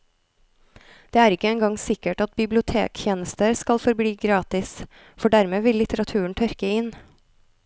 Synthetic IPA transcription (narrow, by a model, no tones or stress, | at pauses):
d̪̥eːæːɾɪkəɛːŋɡɑŋsɪkəʈɑt̪̚bɪblɪʊt̪ʰḛːkçeːnəst̪əɾskɑlfɔɾbliːɡɾɑːt̪ɪs | fɔɖæɾmeːʋɪlːɪt̪əɾɑt̪ʰʉːəɳ̩t̪ʰœɾkəɪn